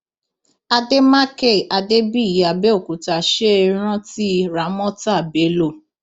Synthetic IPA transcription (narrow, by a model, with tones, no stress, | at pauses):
a˧de˦ma˦ke˦˨ʔa˧de˦bi˦˨ji˨a˨bɛ˦o˦˨ku˨ta˨ʃe˦˧ɾ̃ã˦ti˦ɾa˨˦mɔ̃˦ta˦˨be˨˦lo˦˨